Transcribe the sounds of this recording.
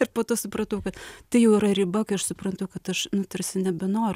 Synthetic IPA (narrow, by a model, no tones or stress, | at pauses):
ɪrpoːt̪oːsʊpɾɐt̪ɐʊkɐt̪t̪ɐɪjɛʊɪɾɐɾʲɪbɐkɐɪɐʃsʊpɾɐnt̪ɐʊkɐt̪ɐʃnʊt̪ɐrʲsʲɪnʲɛbʲɛnoːɾ